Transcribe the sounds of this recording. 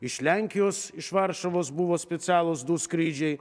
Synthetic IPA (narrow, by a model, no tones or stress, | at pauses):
ɪʃlʲæŋʲkʲɪjoːsɪʃʋɐɾʃɐʋoːsbʊʋoːsʲpʲɛt̪sʲæːlˠoːsd̪uːskɾʲiːd͡ʒʲɛɪ